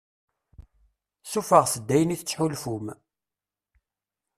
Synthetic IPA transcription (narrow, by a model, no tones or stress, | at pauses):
sufəʁsəd̪ːæjəniθət͡sːħulfum